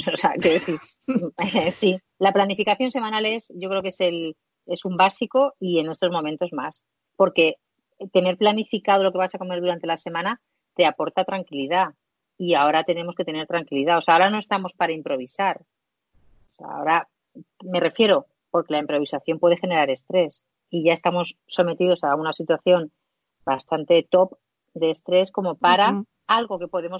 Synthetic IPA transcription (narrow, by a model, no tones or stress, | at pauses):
oseakeðeθi | si | laplanifikaθjo̞nse̞mãnale̞sʝokɾekesel | e̞sumbasiko̞ie̞ne̞st̪o̞zmomẽnt̪o̞zmas | po̞ɾke̞ | t̪e̞ne̞ɾplanifikaðo̞lo̞ke̞βasako̞me̞ɾðuɾant̪e̞lase̞mãna | t̪e̞apo̞ɾt̪at̪ɾaŋkiliða | iao̞ɾat̪ene̞mo̞ske̞t̪ene̞ɾt̪ɾaŋkiliðaoseaoɾano̞e̞st̪amo̞spaɾaimpɾo̞β̞isaɾ | osea̰o̞ɾa | me̞re̞fje̞ɾo̞ | po̞ɾke̞laimpɾo̞βisaθjo̞mpwe̞ð̞e̞xe̞ne̞ɾaɾe̞st̪ɾe̞s | iʝae̞st̪amo̞sːo̞me̞t̪iðo̞saunasit̪waθjo̞n | bast̪ant̪e̞t̪o̞p | d̪e̞ːst̪ɾe̞sko̞mo̞paɾa | alɣo̞ke̞po̞ðe̞mo̞